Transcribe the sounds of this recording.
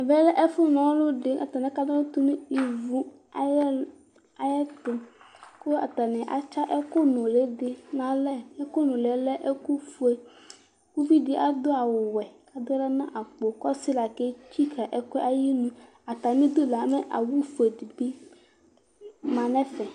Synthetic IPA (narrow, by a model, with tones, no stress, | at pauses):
vɛ˦lɛ˦ʔɛ˦fʊ˦nɔ̃˨˦lo˦ɖe˨ʔa˨t̪a˨nɛ̃˨ka˦d̪ɔ˦lo˦t̪u˦nũ˦i˨vu˦ | a˨˦ | a˨jɛ˦t̪o˨ko˦a̰˨t̪a˨nɛ̃˨ʔa̰˨t͡ʃa˦ʔɛ˦ko˦nʊ̃˨le˨˦de˨nã˨lɛ˦ɛ˦ko˦nõ˨le˨˦lɛ˦ʔe˦ku˦fu˦e˨ | ku˦vi˦dɪ˨ʔa˨d̪o˦a˨wʊ˨wɛ˨ka˨d̪o˦lɛ˦nã˦ʔa˨k͡po˨kɔ˦si˦la˨ke˦t͡ɕi˦kʰa˨ʔɛ˨kɛ˦ʔa˨ji˦nũ˦ | a˨t̪a˨mĩ˦d̪o˦la˨a˨˦mɛ̃˦ʔa̰˨wu˦fu˨e˨di˨ɡ͡bi˦ | mã˨nɛ̃˦fɛ˨